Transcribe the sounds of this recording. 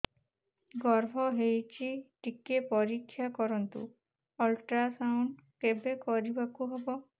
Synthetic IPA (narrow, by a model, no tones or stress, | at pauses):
ɡɔɾbʱɔɦejt͡ʃiʈikepɔɾikʰːjakɔɾɔnt̪ṵ | ɔlʈɾasawɳɖkebekɔɾibakuɦebɔ